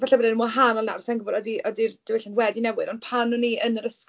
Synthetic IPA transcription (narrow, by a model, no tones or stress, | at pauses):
vaɬabədanmɔɦanɔlna̰rsɛnɡəbɔdɔdiʔɔdird̥ɪwɛɬɪnwɛdinɛwɪɾɔnpʰanuniənəɾəsk